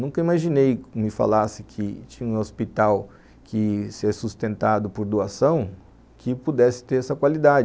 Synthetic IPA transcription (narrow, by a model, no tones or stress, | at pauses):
nũkɐimaʒinejmɪfa̰lasɪkʰɪt͡ʃĩɲɐũospit̪aw | kʰɪsɛsust̪ẽnt̪ad̪ʊpoɾd̪uasɐ̃w̃ | kʰɪpud̪ɛsɪ̥t̪eɾɛsɐkwalid̪ad͡ʒ